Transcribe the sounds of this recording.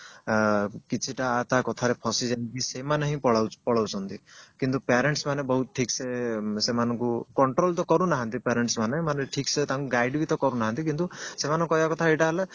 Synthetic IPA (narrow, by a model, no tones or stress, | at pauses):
kit͡ʃʰiʈaːt̪akɔt̪ʰaɾepʰɔsid͡ʒakisemaneɦĩpɔɭawpɔɽɔwt͡ʃʰɔnt̪ikint̪̬upeɾeɳʈsmanebɔɦut̪̚ʈʰiksesemanɔ̃ŋkukɔɳʈɾolt̪ɔkɔɾunaɦãnt̪ipeɾeɳʈsmanemaneʈʰikset̪aŋkuɡajɖbit̪ɔkɔɾunaɦãnt̪ikint̪usemanɔ̃ŋkɔjakɔt̪ʰaeʈaɦele